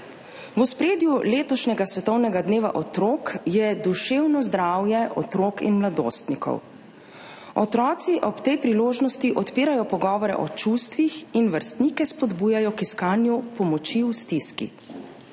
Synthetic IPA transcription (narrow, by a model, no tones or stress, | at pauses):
wuspɾeːd̪juleːt̪ɔʃnʲɛɡasʋɛt̪ɔwnɛɡad̪neːʋa̰ʔɔt̪ɾoːkjɛd̪uʃeːwnɔzd̪ɾawjɛʔɔ̰t̪ɾokḭnmlad̪o̰st̪nikɔ̰w | ɔt̪ɾɔːt̪siʔɔpt̪ɛjpɾiloːʒnɔst̪iʔɔt̪piːɾajɔpɔɡɔːʋɔɾɛ̰ʔɔ̰t͡ʃust̪ʋixinʋəɾst̪nikɛspɔd̪buːjajɔkiskaːnjupɔmɔt͡ʃiwst̪iskḭ